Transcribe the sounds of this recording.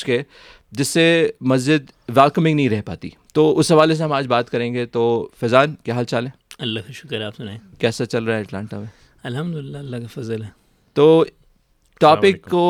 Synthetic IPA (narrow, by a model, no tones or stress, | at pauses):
ke | d͡ʒɪsːemɐzd͡ʒɪd̪ | ʋɛːlkəmɪ̃ŋɡnɐɦĩɾɛɦpa̰ːt̪ḭ | t̪oʊsːɐʋaːles̬eɦɐmaːd͡ʒbaːt̪kɐɾẽːŋɡet̪ofɛzaːnkjaːɦaːlt͡ʃaːlẽːɐlːakaʃʊ̥kɾaːpsʊnaːẽkɛːsat͡ʃɐlɾɐaɛɐʈlãːɳʈamẽ | ɐlɦɐmd̪ʊlɪlːaɐlːakafɐzəlɦɛ | t̪oː | ʈɔːpɪkːo